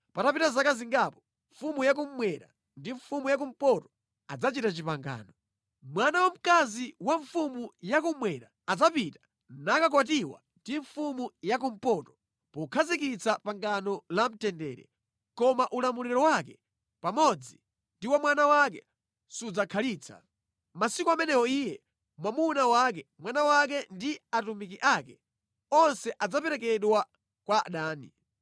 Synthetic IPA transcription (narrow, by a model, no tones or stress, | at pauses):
patapitazakaziŋɡapɔ̥ | ɱfumujak̬um̩mwɛɾa̰ | ndiɱfumujak̬um̩pɔtɔ̥ | ad͡zat͡ʃitat͡ʃipaŋɡa̰ːnɔ | mwanawam̩kaziwaɱfumujakumwɛɾaːd͡zapitḁ | nakak̬watiwa̰ndiɱfumujak̬um̩pɔtɔ̥ | pɔkʰazikit͡sapaŋɡanɔlam̩tɛndɛ̰ːɾɛ̰ | kɔmaʔulamuliɛɾɔwakɛ | pamɔd͡zi | ndiwamwanawak̬ɛ | sud͡zakʰaliːt͡sʰḁ̰ | masikuamɛnɛwɔiːjɛ | mwamunawak̬ɛmwanawak̬ɛndiatumik̬iʔakɛ | ɔnsɛʔad͡zapɛɾɛkɛɗwa | kwaɗaːnḭ